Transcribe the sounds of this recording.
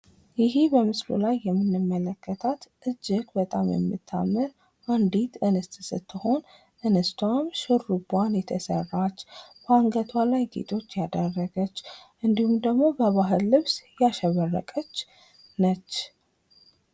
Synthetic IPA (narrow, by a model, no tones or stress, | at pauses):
jɪhibəmɨslṵlajːɛmːɨnɨmːələkʰːət̪ʰat̪ʔɨd͡ʒːɪɡbət̪ʼamjɛ̰mːɨt̪ʰːa̰mːɨɾ | ʔand̪it̪ɨnɨst̪ʼsɨt̪ʰːɨho̞n | ʔɨnɨst̪ʰwamʃɨrːubanjɛt̪ʰəsə̰rːat͡ʃːbaŋɡət̪ʰwalajɡḛt̪ʼʰo̞t͡ʃːjad̪ərːəɡət͡ʃːʔɨnd̪ihumd̪əɡmo̞bəβaɦɨlːɨβsjaʃɛβərːə̰kʼət͡ʃː | nət͡ʃː